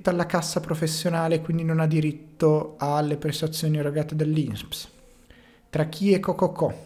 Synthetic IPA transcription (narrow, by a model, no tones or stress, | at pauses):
t̪ːoalːakasːapɾofesːjonaːlekwind̪inonad̪ːiɾit̪ːoalːepɾest̪at̪sːjoːnierːoɡaːt̪ed̪elːinsps | t̪ɾak̟ʰːiekːɔkːɔkʰːɔ